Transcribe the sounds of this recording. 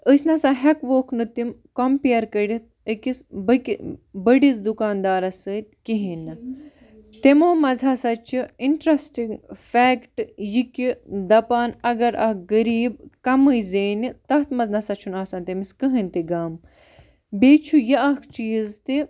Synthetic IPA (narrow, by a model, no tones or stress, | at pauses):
əsʲnɐsaːɦɐkʋoːkʰnɨt̪imkompijɐɾkɐɽit̪̚ | əkisbəkibəɖizd̪ukaːnd̪aːɾɐsəːt̪̚ʲkiɦinɨ | t̪emoːmɐzɐsɐt͡ʃʰiiɳʈɾɐsʈiŋɡfɛːkʈjikʲid̪ɐpaːnɐɡɐɾʔɐhɡəɾiːb̚kɐməjzeːnit̪ɐɦt̪mɐznɐsɐt͡ʃʰunaːsaːnt̪emiskəɦinʲt̪iɡaːm | beːt͡ʃʰujɐʔɐkʰt͡ʃiːzt̪i